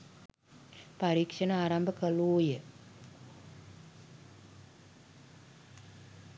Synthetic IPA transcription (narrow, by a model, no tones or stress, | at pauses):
paɾiːkʂɐnaaːɾɐmbəkɐluːjə